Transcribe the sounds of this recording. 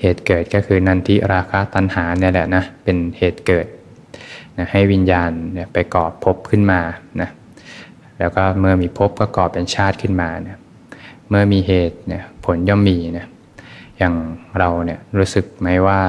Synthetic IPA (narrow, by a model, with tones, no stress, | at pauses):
heː˨˩t̪̚kɤː˨˩t̪̚kɔː˥˩kʰɯː˧na˧nt̪ʰi˦˥ɾaː˧kʰaː˧˥t̪a˧nhaː˩˦ni˥˩ɐlɛ˨˩na˦˥pe˧nheː˨˩t̪̚kɤː˨˩t̪̚ | na˦˥ha˥˩jwi˧njaː˧nni˦˥˩pa˧jkɔː˨˩pʰːo˦˥p̚kʰɯ˥˩nmaː˧na˦˥ | lɛː˦˥wkɔː˥˩mɯ˥˩ɐmiː˧pʰo˦˥p̚kɔː˥˩kɔː˨˩p̚ʔe˧nt͡ɕʰaː˥˩t̪̚kʰɯ˥˩nmaː˧ni˥˩ | mɯ˥˩ɐmiː˧ɦeː˨˩t̪̚ni˥˩ɐpʰo˩˦njɔ˥˩mːiː˧na˦˥ | jaː˨˩ŋɾa˧wni˥˩əɾuː˦˥sɯ˨˩k̚ma˦˥jwaː˥˩